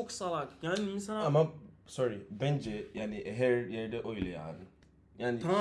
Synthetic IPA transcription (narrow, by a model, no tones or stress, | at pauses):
ʊksalakjamisanaamasɔɾibend͡ʒejanɪeɦeɾjeɾdeʔojileja̰a̰dʊ | janɪt̪ɾã